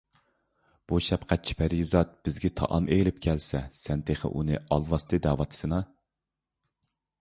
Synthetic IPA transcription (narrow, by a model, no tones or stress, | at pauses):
b̥uʃɛpqʰæt̪̚t͡ʃʰi̥pʰæɾizɑt̪̚b̥ɪzɡʲɛt̪ʰɑ̰ʔɑmʔejlɪp̚kʲʰɛlsɛsɛnt̪ʰeχə̰ʔunɨ̰ɑlˠvɑst̪ʰɨd̪æːwɑt̪ʰɨ̥sɨnɑ